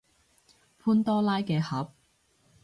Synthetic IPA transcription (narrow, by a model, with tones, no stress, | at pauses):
pʰuː˥nt̪ɔː˥laː˥jkɛː˧hɐ˨˥p̚